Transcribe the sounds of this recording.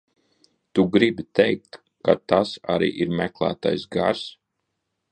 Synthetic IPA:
t̪uɡɾibit̪ɛjk̚t̪ | kːat̪asaɾḭːʔiɾmæklˠæ̰ːt̪a̰jsɡaɾs

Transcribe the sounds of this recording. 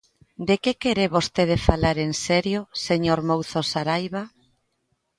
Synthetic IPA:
d̪ekekeɾeβost̪eð̞efalaɾensɛɾjoseɲoɾmowθosaɾajβa

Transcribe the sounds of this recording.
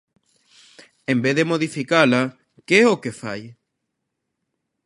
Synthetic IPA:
ẽmbeððemoðifikala | keeokefa̰j

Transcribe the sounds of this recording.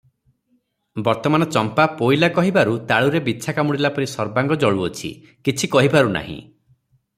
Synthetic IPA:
bɔɾt̪ɔmanɔt͡ʃɔmpapojlakɔɦibaɾut̪aɭuɾebiːt͡ʃʰakamuɽilapɔɾisɔɾbaŋɡɔd͡ʒɔɭuot͡ʃʰḭ | kit͡ʃʰikɔɦibaɾuna̰ɦḭ̃

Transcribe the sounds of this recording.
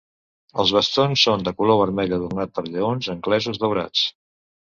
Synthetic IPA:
əlˠzβ̞əst̪onsːond̪əkuloβ̞əɾmɛʎəðurnat̪̚pəɾʎəonzəŋklɛzuzðəwɾa̰t͡s

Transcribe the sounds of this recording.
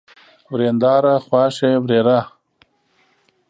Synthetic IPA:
wɾeːnd̪aːɾaχwaːʃewɾeːɾa

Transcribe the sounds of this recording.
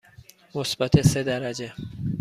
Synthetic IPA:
mʊsbat̪ʰesed̪aɾad͡ʑe

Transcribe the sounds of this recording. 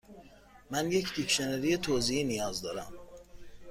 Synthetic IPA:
mænje̞cʰd̪ikʃeneɾijet̪ʰoːziinijɒːzd̪ɒːɾæm

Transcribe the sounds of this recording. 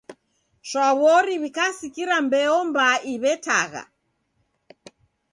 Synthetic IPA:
ʃwaβɔɾiβikasikiɾambɛɔmbaiβɛta̰ɣa̰

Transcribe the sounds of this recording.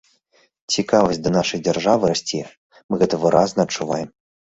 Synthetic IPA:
t͡sʲikavɐsʲt̚ʲd̪ɐnaʂɐjd͡zʲarʐavɨɾasʲt͡sʲi | mɨɣɛt̪ɐvɨɾʔaznɐːt͡ʂːuvajɛm

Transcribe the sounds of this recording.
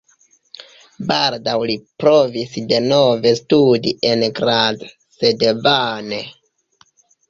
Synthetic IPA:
baldawlipɾo̞visde̞no̞ve̞studiʔe̞nɡɾad | se̞dvane

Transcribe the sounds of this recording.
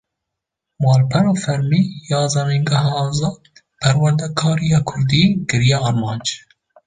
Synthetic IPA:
mɑːlpʰɛɾɑːfɛɾmiːjɑːzamiŋɡɛɦɑːzɑː | pʰɛɾwɛɾd̪ɛkʰɑːɾijɑːkʰʊɾd̪iːkɨɾijɛɑɾmɑːnd͡ʒ

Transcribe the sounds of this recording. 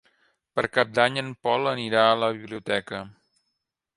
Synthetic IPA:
pəɾkap̚d̪aɲənpɔlˠəniɾaələβ̞iβliut̪ɛkə

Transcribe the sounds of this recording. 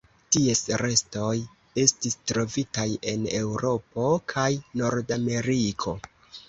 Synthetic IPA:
tiesɾe̞sto̞j | e̞stistɾo̞vitaje̞ne̞wɾo̞po̞kʰajno̞ɾdame̞ɾikʰo̞

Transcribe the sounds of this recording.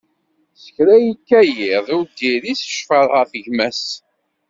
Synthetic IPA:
sə̥çɾæjikːæjɪðˤʊɾd̪iɾisʃfəɾˤʁəθəʝmæs

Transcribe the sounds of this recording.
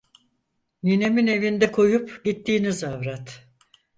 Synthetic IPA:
nine̞mine̞vind̪ɛkʰo̞jupɟit̪ːiːnizavɾat̪

